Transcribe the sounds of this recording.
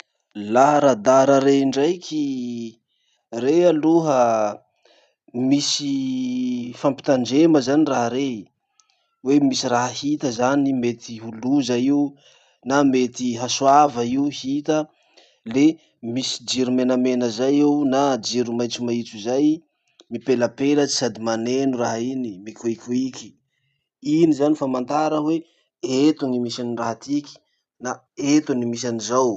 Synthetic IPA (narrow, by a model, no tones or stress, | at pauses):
laɦɾad̪aɾəɾeiɳɖ͡ʐajkʲʰi | realuɦə | misi | fampi̥t̪aɳd͡ʒeməzaniraɦaɾe | wemisiraɦəhit̪əzanimet̪iɦuluzaiu | namet̪iɦasuavəiuhit̪ə | le | misi̥d͡ʒiɾumenamenəzajeunad͡ʒiɾumajt͡sumait͡sizaj | mipeləpelət͡si̥sad̪imanenuraɦainimikʲuikʲuikʲi̥ | inizanifamant̪aɾəwe | et̪unimisaniraɦat̪iki̥ | na | et̪unimis̬anizaw